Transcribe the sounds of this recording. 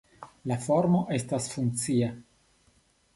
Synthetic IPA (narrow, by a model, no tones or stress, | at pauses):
lafo̞ɾmo̞ʔe̞stasfunkt͡sia